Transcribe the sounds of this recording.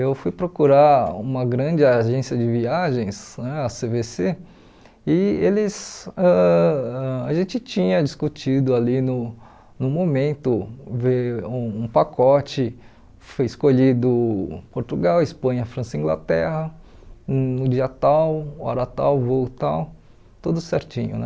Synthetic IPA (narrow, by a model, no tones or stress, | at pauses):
ewfujpɾokuɾaɾṵ̃mɐɡɾɐ̃d͡ʒɪaʒẽsiɐd͡ʒɪviaʒẽj̃snɛasevese | ɪelɪzɛɛaʒẽnt͡ʃɪt͡ʃĩɲɐd͡ʒiskut͡ʃid̪ʊalinʊ | nʊ̃momẽnt̪ʊveũũpakʰɔt͡ʃɪ | fojɪskoʎid̪ʊpoɾt̪uɡawɪspɐ̃ɲɐfɾɐ̃sɐĩŋɡla̰t̪ɛhɐ | nʊd͡ʒiɐt̪awɔ̰ɾɐt̪a̰wvowt̪aw | t̪od̪ʊseɾt͡ʃĩɲʊ̰nɛ̰